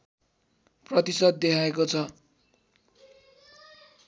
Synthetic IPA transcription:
prʌt̪isʌd̪̚d̪ekʰaekot͡sʰʌ

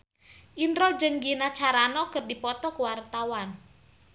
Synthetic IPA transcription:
ʔinɾɔd͡ʒəŋɡinat͡ʃaɾanɔkərdipɔt̪ɔkəwart̪awan

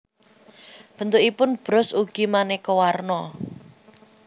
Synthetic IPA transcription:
b̥ə̤nt̪uʔipʊnb̥ɾʊsuɡ̥imanekowarnɔ

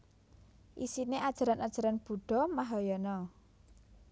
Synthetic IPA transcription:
ʔisineʔad̥ʒ̥a̤ɾanad̥ʒ̥a̤ɾanb̥ṳɖ̥ɔ̤maɦɔjɔnɔ

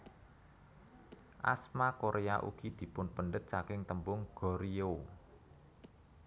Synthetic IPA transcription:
ʔa̰smakoɾʔeaʔṵɡ̥id̪̥i̤pʊnpənɖət̪̚sakɪŋt̪əmbʊŋɡ̥ɔ̤ɾio

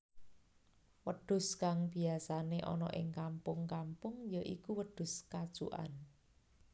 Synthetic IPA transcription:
wəɖ̪̥ʊ̤skaŋb̥iasaneʔɔ̰nɔ̰ʔɪŋkampʊŋkampʊŋjəʔikuwəɖ̪̥ʊ̤skḁʒ̥ṵʔa̰n

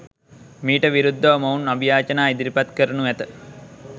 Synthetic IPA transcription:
miːʈəʋiɾud̪ʱːəʋɐmɐunabijaːt͡ʃɐnaːid̪iɾipat̪kəɾənuʋæt̪ə

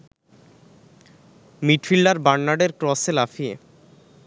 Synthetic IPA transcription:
miʈfilɖaɾbaɳːaɖeɾkɾɔselafiḛ

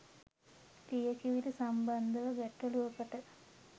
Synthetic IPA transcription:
tijɐkiʋilusɐmbɐnd̪ʱɐʋɐʋeʈːɐluokːɐʈɐ

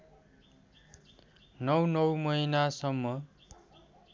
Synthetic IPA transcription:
nʌwnʌwmʌjnasʌmːʌ

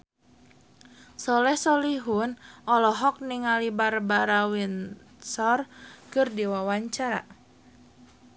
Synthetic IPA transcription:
sɔlɛhsɔliɦunʔɔlɔɦɔk̚niŋalibarbaɾawin | sɔrkɨrdiwawaɲt͡ʃaɾa̰

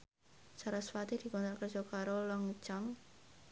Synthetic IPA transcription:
saɾasfat̪id̪̥i̤kɔnt̪ɾakərd͡ʒ̥ɔkaɾolɔŋt͡ʃam

